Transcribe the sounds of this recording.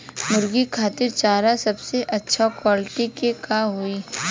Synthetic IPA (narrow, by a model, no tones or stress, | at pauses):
mʊɾɡikʰaːt̪ɪɾt͡ʃaːɾasɐbseʔɐtːʃʰakwaːlɪʈikekaːɦʊiː